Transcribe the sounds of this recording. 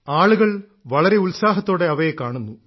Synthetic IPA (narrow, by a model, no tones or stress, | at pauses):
aːɭuɣɐɭ | ʋɐɭɐɾe̞ulsaːɦɐt̪ːo̞ːɽe̞ɐʋɐjekːaːɳunːu